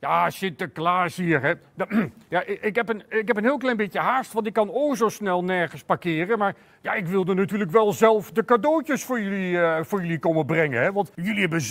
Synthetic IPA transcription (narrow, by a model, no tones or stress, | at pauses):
jasɪtəklaːsiːəɹɦɛdjaʔɪkɦɛpənɪkɦɛp̬ənɦɪːlˠklɛjnmbɪtjəɦaɹstʋɑntɪkːɑnosowsnɛlˠnɛɹχənspaɹkɪːrənmaːr | jaɪkʋɪlˠdənatyːrləkʋɛlˠzɛlˠfdəkadoːtəsfʊːɹjəlifʊːɹjɵlikoməbrɛŋənɦɛʋɑntjɵliɛbə